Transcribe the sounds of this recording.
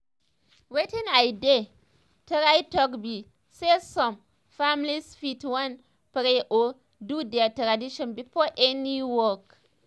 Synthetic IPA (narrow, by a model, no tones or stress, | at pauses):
wetĩnajde | təɾajtɔkbi | sesɔm | famlisfitwan | pɾeʔo | dudɛtɾadiʃɔ̃nbifoʔɛniwɔk